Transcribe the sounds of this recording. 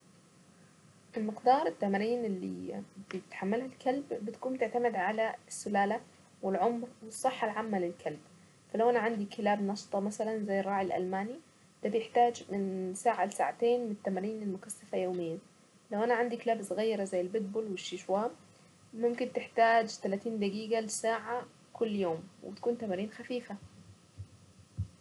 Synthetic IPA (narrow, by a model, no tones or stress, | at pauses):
ʔɪlmɪqd̪ɑːɾˤɪt̪ːamaɾiːnɪlːḭbɪjɪt̪ħamːalhalkʰalbːɪt̪ḁkuːmt̪ɪʕt̪amɪd̪ʕalaɪsːʊlaːla | wɪlʕʊmɾwɨsˤːɨħːalʕamːalɪlkʰalb̚ | falawʔanaʕand̪ikɪlaːbnɑʃt̪ˤɑmasalanzajːɪrˤːɑːʕɪlʔa̰lmaːni | d̪̥abjɪħt̪aːd͡ʒmɪnsaːʕalɪsaːʕat̪eːnmɪnt̪ːamaɾiːnɪlmʊkasːafajoːmɪjːa | lawʔanaʕand̪ikɪlaːbsʊɣajːɑɾˤazajːɪlbɪt̪̚boːlwɪʃːiʃwaːmː | ʊmkɪnt̪ɪħt̪aːd͡ʒt̪alaːt̪iːnd̪aɡiːɡalɪsaːʕa | kʰʊlːjoːmwɪ̰bɪt̪ḁkuːnt̪amaɾiːnxafiːfa